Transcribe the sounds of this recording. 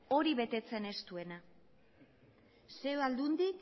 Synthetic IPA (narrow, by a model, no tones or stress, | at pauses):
o̞ɾiβe̞t̪e̞t͡se̞ne̞st̪ue̞na | se̞oald̪und̪ik